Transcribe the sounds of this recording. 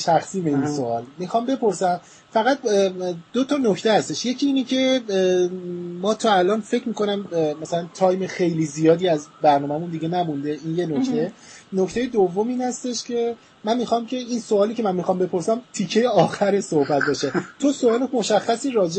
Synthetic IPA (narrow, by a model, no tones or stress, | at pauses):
ʃæxsiːmeinsoɒːlmixɒːmbe̞po̞ɾsæm | fæɣæt̪̚d̪̥ot̪ʰɒnocʰt̪ʰehæst̪e̞ʃje̞cʰiiːnecʰe̞ | mɒːt̪ʰɒːælɒːnfe̞cʰmiːko̞næmmæsælænt̪ʰɒːjmexe̞jliːzijɒːd̪iːæzbæɾnɒːmæmund̪iɟe̞næmund̪e̞inje̞nokʰt̪ʰe̞ | noct̪eje̞d̪ovːo̞miːnhæst̪e̞ʃcʰe̞ | mænmixɒmcʰe̞insoɒːliːcʰe̞mænmixɒːmbe̞pʰo̞ɾsæmt̪ʰicʰːe̞jeɒːxæɾesohbæt̪̚bɒːʃet̪ʰosoɒːlomo̞ʃæxːæsiːɾɒːd͡ʒe